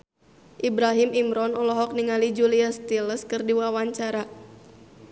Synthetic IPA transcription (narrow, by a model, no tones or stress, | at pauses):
ʔibɾaɦimʔimɾɔnɔlɔɦɔk̚niŋalid͡ʒuliast̪iləskɨrdiwawaɲt͡ʃaɾa